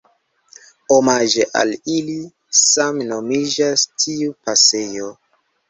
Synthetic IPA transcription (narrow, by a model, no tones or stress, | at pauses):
omad͡ʒeʔa̰lili | samno̞mid͡ʒastʰiupase̞jo̞